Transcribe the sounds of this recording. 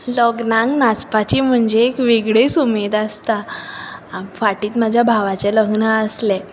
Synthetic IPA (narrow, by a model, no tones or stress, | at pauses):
ləɡnãŋɡnat͡spat͡ɕiːm̤əɳd͡zeːkʋeɡɭesumed̪ast̪a | faʈiːt̪mad͡ʑʱjabʱaʋat͡ɕɛləɡnaəslɛ